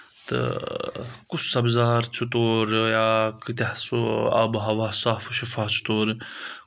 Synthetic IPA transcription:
t̪ɨ̰ | kusɐbzaːɾt͡ʃʰut̪oːɾjaːkit̪ahsua̰bɦɐʋaːsaːfuʃifaːt͡ʃʰu̥t̪oːɾ

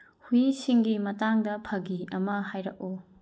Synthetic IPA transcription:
huisiŋɡimɐtaŋdɐpʰɐɡiɐmɐɦajɾɐk̚o

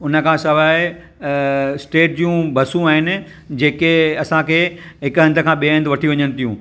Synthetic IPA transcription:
ʊnə̆kʰãːsɐʋaːɪ | sʈeːʈ̚d͡ʑijũbʱɐsũaːɦɪnɪ̆ | d͡ʑeːkeɐsãkʰeːɦɪkɐ̃nd̪əkʰãːɓiːə̃nd̪ʋɐʈʰiʋɐɲənɪ̆t̪ʰijũː

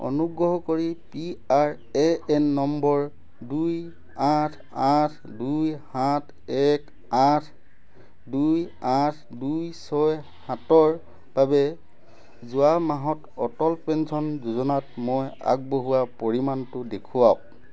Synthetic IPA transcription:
o̰nuɡɹɔɦɔkoɹipiaɹ | ɛɛnːɔmbɔɹ | duj | atʰ | atʰ | dujhatʰ | ɛk | atʰ | duj | atʰdujsɔj | hãtɔɹ | b̥abɛ | zuamaɦɔtɔtɔlpɛnsɔnzuzɔnatmoja̰k̚boɦuwapoɹimantʊdekʰuwa

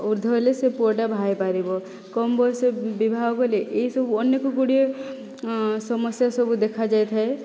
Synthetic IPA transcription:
uɾd̪ʱɔɦelesepuʈabʱajpaɾibɔ | kɔmbʱɔsebibʱaɡɔkɔleʔeɦisɔbuɔnːekɔɡoɽie | sɔmɔsjasɔbud̪ekʰad͡ʒajt̪ʰae

